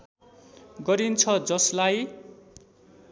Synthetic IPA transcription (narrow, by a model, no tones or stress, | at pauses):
ɡʌɾint͡sʰʌd͡zʌslaj